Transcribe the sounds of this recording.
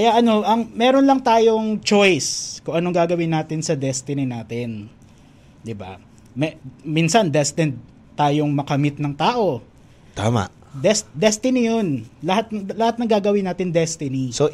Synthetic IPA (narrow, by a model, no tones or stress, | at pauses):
kɐjaʔɐno̞ʔɐŋmɛːɾonlɐŋt̪aːjo̞ŋt͡ʃojskʊŋʔɐno̞ŋɡaːɡɐwɪnːaːt̪ɪnsɐd̪ɛst̪ɪnɪnaːt̪ɪn | d̪ɪba̰ | mɛminsɐnd̪ɛst̪ɛnd̪̚ | t̪aːjo̞ŋmɐkɐmɪt̪̚nɐŋt̪aːʔo̞ | t̪a̰ːma̰ʔ | d̪ɛsd̪ɛst̪ɪnɪjonlɐhat̪̚lɐhat̪̚nɐŋɡaːɡɐwɪnaːt̪ɪnd̪ɛst̪ɪniso